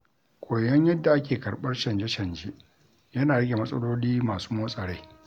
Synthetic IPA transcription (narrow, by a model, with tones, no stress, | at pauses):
kʷʼoː˨jɐ˦ɲjɐ˦dːa˨ʔa˦kʲeː˨kɐ˨ɽɓɐ˦rʃɐ˨nd͡ʒe˦ʃɐ˨nd͡ʒe˦ʔ | jɐ˦naː˨ɽɐ˦ɡʲe˨mɐ˦sʼɐ˦loː˦liː˦maː˨su̥ː˦moː˦sʼɐ˨ɽe˦